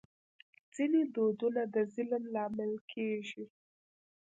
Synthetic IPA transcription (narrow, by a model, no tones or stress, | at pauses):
d͡z̥ined̪od̪unad̪əzɪlmlɑmɪlkʰeʒi